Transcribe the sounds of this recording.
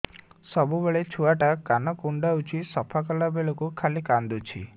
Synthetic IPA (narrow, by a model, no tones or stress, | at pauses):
sɔbubeɭet͡ʃʰuaʈakanɔkuɳɖaut͡ʃʰisɔpʰakɔlabeɭɔkukʰalikand̪ut͡ʃʰḭ